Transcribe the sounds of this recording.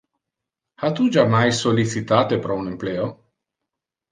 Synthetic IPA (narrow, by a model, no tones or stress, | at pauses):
hat̪ud͡ʒamajsolːit͡ʃit̪aːt̪epɾɔunempleːo